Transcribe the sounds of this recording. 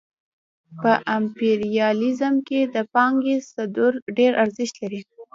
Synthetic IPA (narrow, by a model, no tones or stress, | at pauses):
pəʔampeɾijɑlizəmked̪əpɑŋɡesad̪uɾɖeɾaɾzɪʃt̪laɾi